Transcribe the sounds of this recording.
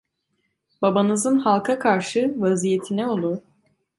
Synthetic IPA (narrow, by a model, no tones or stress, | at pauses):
babanɯzɯnhalˠkʰakʰaɾʃɯvazijet̪ʰinɛolˠuɾ